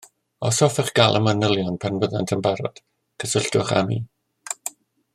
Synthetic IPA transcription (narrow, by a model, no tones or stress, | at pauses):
ɔsɔfɛχɡ̥alˠʔəmənəlˠjɔnpʰanvəðantʰəmbaɾɔ̰d̥ | kʰəsəɬtʊχa̰mḭː